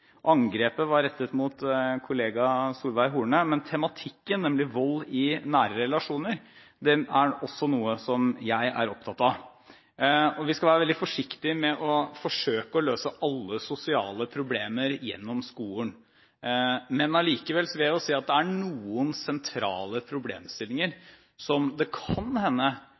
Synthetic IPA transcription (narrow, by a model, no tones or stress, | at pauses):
ʔɑŋɡɾeːpəʋɑɾɛt̪ːət̪mʊt̪kʰʊleːɡɑsuːlʋæɪɦuːɳəmɛnt̪ʰɛmɑt̪ʰɪkːənːɛmlɪʋɔlːɪnæːɾəɾɛlɑʂuːnəɾ | d̪ɛæɔsːɔnuːəsɔmjæɪʔæ̰ɾɔpt̪ʰɑt̪ːɑ | ɔʋɪskɑʋæːɾəʋɛld̪ɪfɔʂɪkt̪ɪmɛʔɔfɔʂøːkəɔløːsəʔɑlːəsʊsɪɑ̰ːləpʰɾʊbleːməɾjɛ̰nːɔmskuːən | mɛnɑliːkəʋɛlsɔʋɪɛɔsiːɑt̪̚d̪ɛæɳuːənsɛnt̪ʰɾɑ̰ːləpʰɾʊbleːmst̪ɪlːɪŋəɾ | sɔmd̪ɛkʰɑnhɛnːə